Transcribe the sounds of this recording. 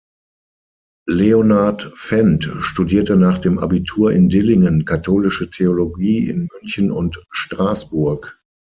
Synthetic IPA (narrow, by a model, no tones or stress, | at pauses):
leonaɐtfɛntʃtudiːɐtənaːχd̥eːmʔa̰bitʰuːɐɪ̰ndɪlɪŋənkʰatʰoːlɪʃətʰeoloɡiːɪ̰nmʏnçənʊ̰ntʃtʁ̥aːsb̥ʊɐk